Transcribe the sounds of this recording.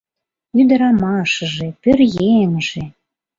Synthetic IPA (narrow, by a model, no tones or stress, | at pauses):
yd̪əɾɑmɑʃəʒepørjenʒe